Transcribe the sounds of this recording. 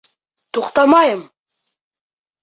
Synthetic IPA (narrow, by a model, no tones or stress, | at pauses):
t̪oqt̪ɑmɑjəm